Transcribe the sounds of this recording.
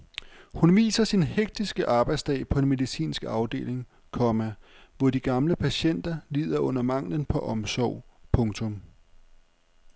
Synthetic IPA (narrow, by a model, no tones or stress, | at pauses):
hunʋḭːsɐsinheɡ̥̚d̥isɡ̥əʔɑ̈ːb̥ɑ̈ɪd̥sd̥ɛ̰ːɪpʰɒ̽e̝nme̝ðˠisḭːnsɡ̥ɑ̈ʊd̥e̝̰ːle̝ŋ | kʰɒ̽mæʋɒd̥iɡ̥ɑ̈mləpʰæɕen̰d̥ɐliːð̞̰ˠɐʔɔ̽n̰ɐmɑ̈ŋ̰lənpʰɒ̽ʔɒ̽msɒʊ̰pʰɔ̽ŋt͡sʰɔ̽m